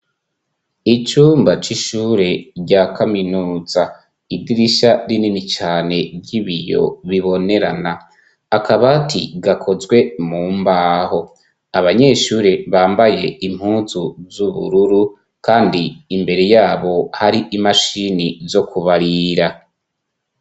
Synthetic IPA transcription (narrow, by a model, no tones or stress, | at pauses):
it͡ʃuːmbat͡ʃiʃuɾe̞ɾɟakʰaminuːz̥a | idiɾiʃaɾininit͡ʃaːne̞bɟiβijo̞̰βiβo̞ne̞ɾanaː | kʰaβatḭɡakʰo̞zɡwe̞muːmbaːho̞ | aβaɲe̞ːʃuːɾe̞βaːmbaje̞im̥huːzuzuβṵɾuɾu | kaːndiːmbe̞ɾe̞jaːβo̞haɾiʔimaʃinizo̞kʰuβaɾiɾa